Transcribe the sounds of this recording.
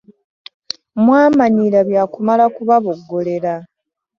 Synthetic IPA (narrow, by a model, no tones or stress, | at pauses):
mwaːmaɲiɾaβjaːkumalakuβaβoɡːo̞le̞ɾa